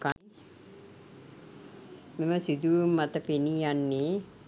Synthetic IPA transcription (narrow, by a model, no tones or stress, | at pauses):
ka | meməsid̪uʋumːat̪əpeniːjanːeː